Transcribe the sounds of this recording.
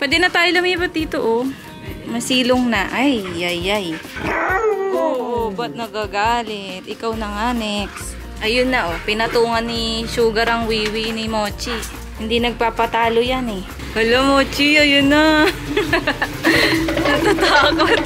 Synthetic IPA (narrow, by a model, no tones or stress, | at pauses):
pwɛːd̪ɛnɐt̪aːjolɐmiːbɐt̪̚d̪iːt̪oʔo | mɐsiːloŋnɐʔajːajːaj | ʔoːʔobɐt̪̚nɐɡaɡaːlɛt̪̚ʔɪkawnɐŋaːnɛk | ʔɐjonːɐʔopɪnɐt̪uːŋɐnːɪʃuːɡɐɾɐŋwiːwɪnɪmoːt͡ʃi | hɪnd̪inɐɡ̚papɐt̪aːlojanɛ | kɐlomoːt͡ʃiojʊna | nɐt̪at̪aːkot̪̚